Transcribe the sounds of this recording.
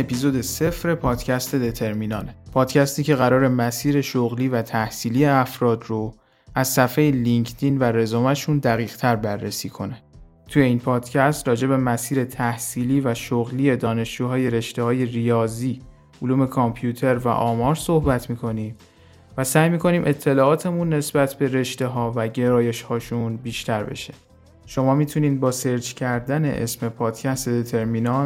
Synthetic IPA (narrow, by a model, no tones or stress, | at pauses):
epizod̪e̞se̞fɾe̞pʰɒːd̪̥cʰæst̪ʰe̞d̪e̞t̪ʰe̞ɾminɒ̰ːlpʰɒːd̪cʰæst̪iːcʰe̞ɣæɾɒːɾe̞mæsiːɾe̞ʃoɣliːvæt̪ʰæhsiːliːeæfɾɒːd̪ro | æzsæfejeliŋcʰd̪ʰinvæɾe̞zoːmæʃund̪æɣiːɣ̥t̪ʰæɾbærːesiːkʰo̞ne̞ | t̪ʰuje̞iːnpʰɒːd̪̥cʰæst̪rɒːd͡ʒe̞be̞mæsiːɾe̞t̪ʰæhsiːliːvæʃoɣliːe̞d̪ɒːne̞ʃd͡ʒuːɦɒːje̞ɾe̞ʃt̪ehɒːje̞rijɒːziː | uluːme̞kʰompʰjuːt̪ʰe̞ɾvæ̰ʔɒːmɒːɾso̞hbæt̪ʰmiːkʰo̞niːm | væsæːjmiːkʰo̞niːmʔe̞t̪ʰːe̞lɒːɒːt̪ʰe̞munːe̞sbæt̪ʰbe̞ɾe̞ʃt̪e̞ɦɒːvæɟe̞ɾɒːje̞ʃhɒːʃunbiːʃt̪ʰæɾbe̞̰ʃe̥ | ʃo̞mɒːmiːt̪ʰuniːd̪̚bɒːse̞ɾd͡ʒcʰæɾd̪æne̞̰ʔḛsme̞pʰɒːd̪̥cʰæst̪ed̪et̪ʰe̞ɾmiːnɒ